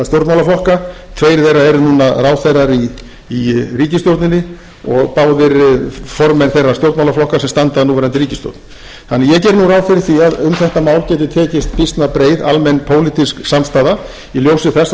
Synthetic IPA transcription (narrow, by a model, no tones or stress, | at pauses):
st̪jowɾt̪mawlaflɔhkat̪ʰveːjɾɪθejrːaɛɾnuːnaraːwθejrːaɾiː | riːcɪst̪jowɾt̪nɪnːɪ | ɔɣpaːwðɪɾfɔɾmɛnθejrːast̪jowɾt̪mawlaflɔhkasɛmst̪ant̪aðnuːvɛːɾant̪ɪɾiːcɪst̪jo̰ɾt̪n | θanːɛjɛcɛɾnuːraːwfɪɾɪɾ̥θiaðʏmθɛht̪amaːwlcɛːt̪ʏɾt̪ʰɛːcɪst̪̚pist̪napɾeːjða̰lmɛnːpʰoːwlɪt̪isksamst̪aːða | iljowsɪθɛs